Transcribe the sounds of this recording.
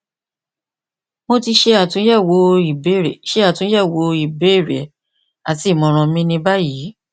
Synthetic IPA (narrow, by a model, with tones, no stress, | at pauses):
mo˧ti˧ʃe˧a˦˨tũ˨˦ɛ˦˨wo˨˧˦i˨be˨˦˨ʃe˦a˦˨tũ˨˦ɛ˦˨wo˨˦i˨be˨˦i˦˨ɾɛ˨ | a˨ti˨˦˨mɔ̃˧ɾ̃ɔ̃˧˦mĩ˦nĩ˧ba˦ji˨˦